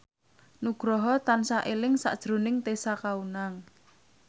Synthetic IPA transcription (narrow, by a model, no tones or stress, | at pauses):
nuɡ̥ɾɔɦɔt̪ansaʔelɪŋsa̰ʔd̥ʒ̥ɾo̤nɪŋt̪esakaunaŋ